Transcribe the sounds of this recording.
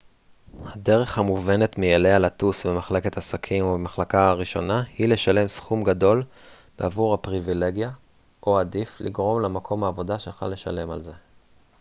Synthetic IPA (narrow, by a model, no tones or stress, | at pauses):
hade̞ʁe̞χhamuve̞ne̞t̪mijelealat̪usbemaχle̞ke̞t̪asakʰimobemaχlakaaʁiʃo̞nahile̞ʃale̞msχumɡado̞l | b̥eavuʁhapʁivile̞ɡja | ʔoadiflḭɡʁo̞mlamakʰo̞maːvo̞daʃeχa̰lːe̞ʃale̞ma̰lze̞